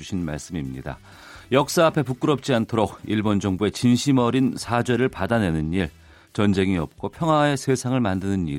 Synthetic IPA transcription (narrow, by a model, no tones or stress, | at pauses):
uɕʰinma̰ɭs͈ɯmimɲida̰ | jʌk̚s͈aːpʰe̞puk͈ɯɾʌp̚t͡ɕ͈iantʰoɾok̚iɭbond͡ʑʌŋbue̞t͡ɕinɕʰimʌɾinsʰad͡ʑwe̞ɾɯɭpadane̞nɯniɭ | t͡ɕʌnd͡ʑe̞ŋiʌp̚k͈ʰopʰjʌŋɦwae̞sʰe̞sʰaŋɯɭmandɯnɯniɾ